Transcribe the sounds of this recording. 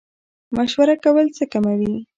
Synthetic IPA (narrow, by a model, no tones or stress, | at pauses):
maʃwaɾakawəlt͡səkamawi